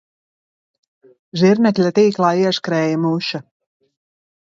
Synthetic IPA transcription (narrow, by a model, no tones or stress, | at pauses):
ʒiɾnɛkʲlʲat̪iːklˠaːiɛʃkɾɛːjamuʃa